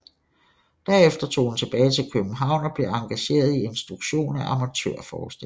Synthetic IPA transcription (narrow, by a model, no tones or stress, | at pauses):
d̥æɐ̰efd̥ɐt͡sʰo̝̰ːhunt͡sʰe̝b̥ɛːɪt͡sʰe̝lkʰøb̥m̩ɦɑ̈ʊ̰nɒ̽b̥le̝ɑ̈ŋɡ̥æɕe̝̰ːɐð̞ˠie̝nsd̥ʁuɡ̥ɕo̝̰ːnæʔɑ̈mæt͡sʰø̰ɐ̰fɒ̰ːsd̥e